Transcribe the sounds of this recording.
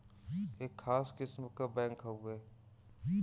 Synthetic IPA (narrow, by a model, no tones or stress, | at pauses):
eːkʰːaːskɪsmkabɛ̃ːŋkɦɐueː